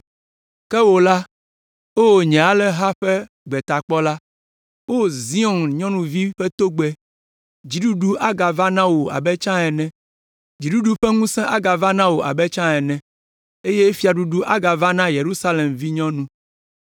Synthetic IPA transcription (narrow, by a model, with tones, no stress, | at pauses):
kɛ˦wo˨la˦ | wo˦wo˨ɲɛ̃˨a˨lɛ˦ɦa˦ɸɛ˦ | ɡ͡bɛ˨t̪a˨k͡pɔ˦la˦ | wo˦˨zi˦ɔ̃˨nɲɔ̃˦nũ˨vi˦ɸɛ˦t̪o˦ɡ͡bɛ˨ | d͡ʑi˨ɖu˦ɖu˦ʔa˦ɡa˨va˦nã˦wo˨a̰˨bɛ˦t͡ʃã˦ɛ˨nɛ̃˨ | d͡ʑi˨du˦ɖu˦ɸɛ˦ŋũ˦sɛ̃˦ʔa˦ɡa˨va˦nã˦wo˨ʔa̰˨bɛ˦t͡ʃã˦ɛ˨nɛ̃˨ | e˦je˦fi˦a˨ɖu˦ɖu˦ʔa˦ɡa˨va˦nã˦je˨ɾu˦sa˦le˨mvi˦ɲɔ̃˦nũ˦